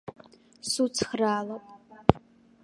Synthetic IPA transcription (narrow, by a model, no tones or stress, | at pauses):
sut͡sʰxraːlɐpʼ